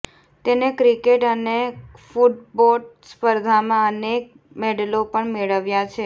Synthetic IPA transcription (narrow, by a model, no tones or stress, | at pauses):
t̪enekɾikeʈənefuʈ̚bospəɾd̪ʱamãənek̚ | meɖəlopəɳmeɭəʋjat͡ʃʰe